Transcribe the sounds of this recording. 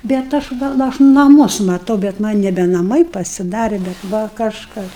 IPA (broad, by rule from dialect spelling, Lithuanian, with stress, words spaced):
bʲɛt ˈɐʃ ʋɐ ɐʃ nɐˈmʊs mɐˈtɐʊ bʲɛt ˈmɐnʲ nʲɛbʲɛ nɐˈmɐɪ pɐsʲɪˈdɑːrʲeː bʲɛt ˈʋɐ kɐʃˈkɐs